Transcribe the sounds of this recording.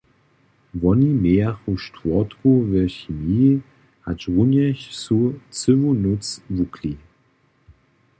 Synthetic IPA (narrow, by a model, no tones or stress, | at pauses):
vɔnimeːaχuʃtvɔtkuvɛɕimiː | ha̰t͡ʃʁunjɛçsut͡sɪvunʊt͡svukʰli